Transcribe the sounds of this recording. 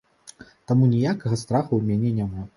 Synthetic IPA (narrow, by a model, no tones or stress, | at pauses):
t̪amunʲijakɐɣɐst̪ɾaxuwmʲanʲɛnʲama